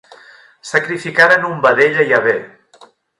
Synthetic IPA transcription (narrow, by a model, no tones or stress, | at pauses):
səkɾifikaɾənumbəðeʎaiaβe